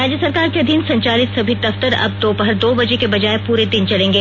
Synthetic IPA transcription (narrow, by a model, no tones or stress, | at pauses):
ɾaːd͡ʒəsɐɾkaːɾkeɐd̪ʱiːnsɐ̃ɲt͡ʃaːlɪt̪sɐbʱid̪ɐft̪əɾɐ̰b̚d̪oːbɐɦəɾd̪oːbɐd͡ʒekebɐd͡ʒaːepuːɾed̪ɪnt͡ʃɐlẽːŋɡeː